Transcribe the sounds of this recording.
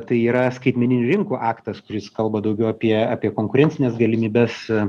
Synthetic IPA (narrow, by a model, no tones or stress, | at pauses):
t̪ɐɪiːɾɐskɐɪt̪ʲmʲɛnʲɪnʲʊɾʲɪŋkuːʔɑːkt̪ɐskʊɾʲɪskɐlˠbɐd̪ɐʊɡʲɛʊɐpʲiɛɑːpʲiɛkoːŋkʊɾʲɛnʲt͡ssʲɪnʲɛsɡɐlʲɪmʲiːbʲɛs